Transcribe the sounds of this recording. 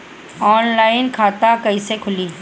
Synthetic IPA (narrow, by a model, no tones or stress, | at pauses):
ɔːnlaːɪnkʰaːt̪akɐisekʰʊliː